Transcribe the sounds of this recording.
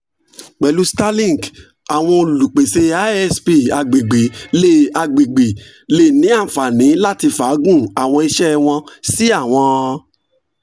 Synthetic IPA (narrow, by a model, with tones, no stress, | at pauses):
k͡pɛ˨lu˦sta˦lĩ˦˨ɡ | a˨w̃ɔ̃˧o˧lu˨k͡pe˨se˧a˦ɛ˦spi˧˨a˧ɡ͡be˨ɡ͡be˨le˦˨a˧ɡ͡be˨ɡ͡be˨ | le˦˨nĩ˨˦a˦˨fa˨nĩ˨˦la˦ti˧fa˨˦ɡũ˦˨a˨w̃ɔ̃˧i˧ʃɛ˦w̃ɔ̃˧si˦a˦˨w̃ɔ̃˧